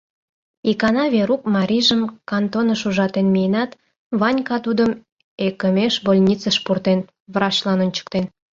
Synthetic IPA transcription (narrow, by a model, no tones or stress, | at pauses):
ikɑnɑβʲeɾukmɑɾʲiʒəmkɑnt̪onəʃuʒɑt̪enmijənɑt̪ | βɑnʲkɑt̪ud̪əm | ekəmeʃbolʲnʲit͡səʃpurt̪en | βɾɑt͡ɕlɑnonʲt͡ɕə̥k̚t̪en